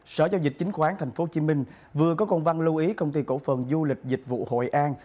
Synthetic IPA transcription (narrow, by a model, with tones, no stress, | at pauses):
sə̰ː˧˩zaː˧wzï˨˩k̟̚t͡ɕï˨˦ŋ̟xwaː˨˦nt̪ʰa˨˩jŋ̟fo˨˦t͡ɕi˨˦mï˧ŋ̟ | vɨ˨˩əkɔ˨˦kɔ˧nva˧nlu˧ʔi˨˦kə˧wŋ͡mt̪i˧ko̰˧˥˩fə˨˩nzu˧lï˨˩k̟̚zï˨˩k̟̚vṵ˧˨ho̰˧˨jʔaː˧n